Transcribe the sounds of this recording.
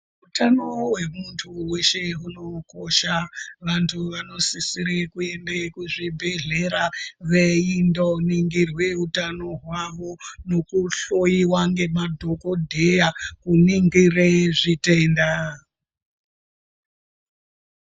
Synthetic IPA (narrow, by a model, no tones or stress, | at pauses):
utano̞we̞muntʰuwe̞ʃe̞uno̞ko̞ʃaʋantʰuʋano̞sisiɾekue̞ndekuʐibʱe̞ɮe̞ɾaʋe̞indoniŋɡirwe̞utano̞ɦwaʋo̞no̞kuɬojiwaŋɡe̞madʱo̞ko̞dʱe̞jakuniŋɡireʐite̞ːnda